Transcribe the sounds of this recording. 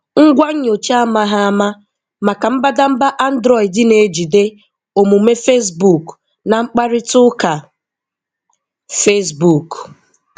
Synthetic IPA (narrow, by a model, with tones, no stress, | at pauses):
ŋ̩˦ɡʷa˦ɲ̩˦ɲo˨t͡ʃa˦ma˦ɦa˦a˦ma˦ | ma˨ka˨m̩˦ba˦da˦m̩˦ba˦ʔa˦n̩˦dɾɔ˦˨ɪ˨dɪ˦ne˨˦d͡ʒi˨de˦ | o˨mu˨me˦fe˦s̬bu˨k | na˨ŋ͡m̩˦k͡pa˦ɾɪ˦tʊ˦ka˨ | fe˦sbu˨k